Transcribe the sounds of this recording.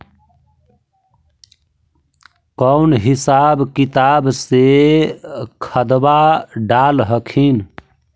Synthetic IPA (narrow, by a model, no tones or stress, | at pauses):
kəʊnɦisabkit̪abse | kʰəd̪baɖalɦəkʰin